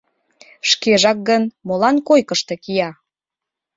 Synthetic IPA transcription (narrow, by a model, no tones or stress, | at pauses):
ʃkeʒɑk̚ɡənmolɑnkojkəʃt̪e̽kijɑ